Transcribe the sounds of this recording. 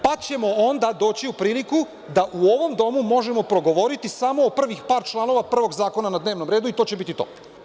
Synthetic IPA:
pat͡ɕe̞mo̞o̞nd̪ad̪o̞ːt͡ɕiupɾiːliku | d̪aʔuo̞ʋo̞md̪o̞mumo̞ʒemo̞pɾo̞ɡo̞ʋo̞ɾit̪isamo̞ːpr̩ʋixpaːɾt͡ʃlˠaːno̞ʋapr̩ʋo̞ɡzaːko̞nanad̪neʋno̞mɾe̞ːd̪uit̪o̞ːt͡ɕe̞bit̪it̪o̞̰

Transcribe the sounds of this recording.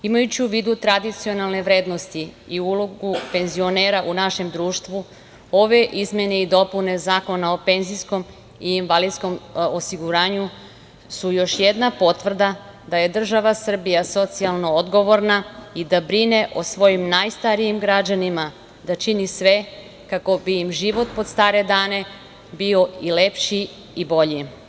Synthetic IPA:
imajut͡ɕiuʋiːd̪ut̪ɾad̪it̪sio̞nalˠneʋɾe̞ːd̪no̞st̪iiuloɡupe̞nzio̞ne̞ːɾaʔunaʃe̞md̪ɾuːʃt̪ʋu | o̞ʋe̞ʔizmje̞ne̞id̪o̞pune̞zaːko̞nao̞pe̞nzisko̞m | iːnʋalid̪sko̞mosiɡuɾaːɲu | sujo̞ʃjed̪napo̞t̪ʋr̩d̪a | d̪aje̞d̪r̩ʒaʋasr̩bijaso̞t̪sialˠno̞od̪ɡo̞ʋo̞ɾnaid̪abɾine̞ʔosʋo̞jimnajst̪aɾijimɡɾad͡ʑanima | d̪at͡ʃinisʋe̞ | kako̞biimʒiʋo̞t̪̚po̞d̪st̪aːɾe̞d̪aːne̞ | bio̞ile̞pʃi | ibo̞ʎi

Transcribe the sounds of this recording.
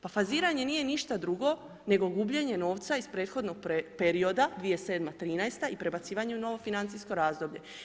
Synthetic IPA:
pafaziːɾaɲe̞niːje̞niʃt̪ad̪ɾuɡo̞ | ne̞ɡo̞ɡubʎe̞ɲe̞no̞ːʋt̪saispɾe̞ːt̪xo̞d̪no̞ɡ̚pe̞ɾio̞d̪ad̪ʋije̞se̞ːd̪mat̪ɾiːnajst̪aipɾe̞bat̪siːʋaɲeuno̞ʋo̞finant̪sisko̞ɾaːzd̪o̞bʎe̞

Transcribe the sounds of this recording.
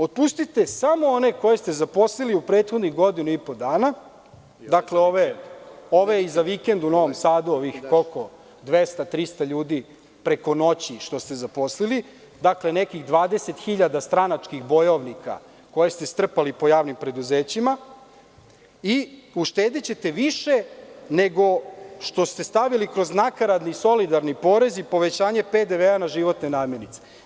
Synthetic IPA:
ot̪̚pust̪it̪e̞samo̞o̞ne̞ko̞je̞st̪e̞zapo̞sliliupɾeːt̪xod̪niɣɡo̞d̪inuipo̞d̪aːna | d̪akleo̞ʋeoʋeizaʋike̞nd̪uno̞ʋo̞msaːd̪uoʋixkolko | d̪ʋest̪at̪ɾist̪aʎuːd̪i | pɾe̞ko̞no̞t͡ɕiʃt̪o̞st̪e̞zapo̞slili | d̪akle̞ne̞kiɣd̪ʋaːd̪e̞se̞t̪xiʎad̪ast̪ɾanat͡ʂkiɣbo̞jo̞ʋnikʰa̰ | ko̞jest̪e̞st̪r̩palipo̞jaːʋnimpɾe̞d̪uzeːt͡ɕima | iuʃt̪eːd̪et͡ɕe̞t̪e̞ʋiʃe̞ne̞ɡo̞ʃt̪o̞st̪e̞st̪aʋilikɾo̞znakaɾad̪niso̞lid̪aɾnipo̞ːɾe̞zipo̞ʋe̞t͡ɕaːɲe̞ped̪eʋeanaʒiʋo̞t̪ne̞naːmjenit̪se̥

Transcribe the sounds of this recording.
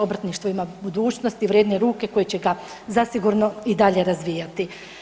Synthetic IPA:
o̞bɾt̪niʃt̪ʋoimabud̪uːt͡ɕnost̪iʋɾjeːd̪neɾuːke̞ko̞jet͡ɕe̞ɡa | zasiɡuɾno̞id̪aʎe̞ɾazʋiːjat̪i

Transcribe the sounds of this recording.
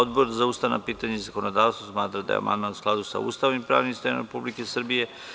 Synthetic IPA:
od̪boɾzauːst̪ana̰piːt̪aɲeizako̞nod̪aːʋst̪vosmaːt̪ɾad̪a̰j̰ea̰ma̰nd̪maːnusklˠad̪usa̰ṵːst̪aːʋnimpɾa̰ːʋnimst̪ojna̰ɾepublike̞srbije̞

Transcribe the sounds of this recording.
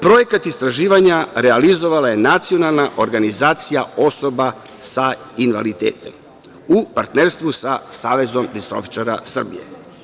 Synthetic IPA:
pɾo̞je̞kat̪ist̪ɾaʒiːʋaɲaɾealizo̞ʋalaje̞nat̪sio̞nalˠnaʔo̞ɾɡanizaːt̪sijao̞so̞ba | sa | inʋa̰lit̪ḛːt̪e̞m | upaɾt̪neɾst̪ʋusasaːʋe̞zo̞md̪ist̪ɾo̞̰fi̥t͡ʃaɾa̰sr̩bḭjḛ

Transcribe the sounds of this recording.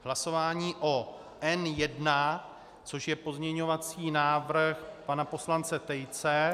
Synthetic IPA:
ɦlaso̞vaːɲiːʔo | ʔɛnjɛdna | t͡so̞ʃjɛpo̞zɲɛɲo̞vat͡siːnaːvrxpanapo̞slant͡sɛt̪ɛjt͡sɛ

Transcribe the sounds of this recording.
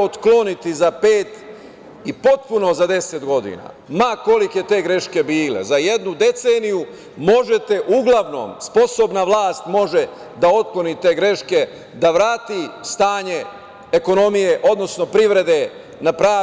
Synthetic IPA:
ot̪klo̞nit̪izapeːt̪ | ipo̞t̪̚puno̞zad̪e̞se̞t̪ɡo̞d̪ḭna̰ | mako̞like̞t̪e̞ːɡɾe̞ʃke̞biːle̞̰zaje̞d̪nud̪e̞t̪seːniju | mo̞ʒet̪e̞ʔuɡlˠaʋno̞̰ːmspo̞sobnaʋlˠaːst̪mo̞ʒe | d̪ao̞t̪̚klo̞nit̪e̞ːɡɾe̞ʃke̞ | d̪aʋɾaːt̪ist̪aːɲe̞ | eko̞no̞mije̞ʔo̞d̪no̞sno̞pɾiʋɾe̞d̪e̞ | napɾaː

